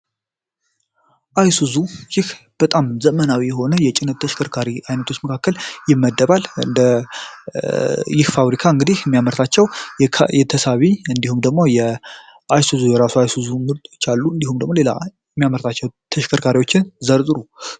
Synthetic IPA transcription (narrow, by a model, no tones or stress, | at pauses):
ʔajsuzujɪhb̥ət̪ʼamzəmənawijɛɦo̞nəjɛt͡ʃʼɪnɨt̪t̪ʰːəʃkʰəɾkʰaɾiʔajnət̪ʰo̞t͡ʃːməkʰakːəljɪmːəd̪ːəβalɨ̰nd̪ə | jɪhfaβɾikʰaɨŋɡɨd̪ihjɛmːjaməɾt̪ʰat͡ʃːɛwjʰjɛt̪ʰəsaβiɨnd̪ihumd̪əɡ̚mo̞jɛ | ʔajsuzujɛɾasuajsuzumɨd̪ot͡ʃːalːuɨnd̪ihumd̪əɡmo̞le̞la̰jɛmːjaməɾt̪ʰat͡ʃːɛwt̪ʰəʃkʰəɾkʰaɾiwo̞t͡ʃːɪnzəɾt̪ʼɾu